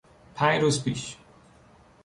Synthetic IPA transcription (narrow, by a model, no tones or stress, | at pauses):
pʰæ̃jɾuzpḭːʃ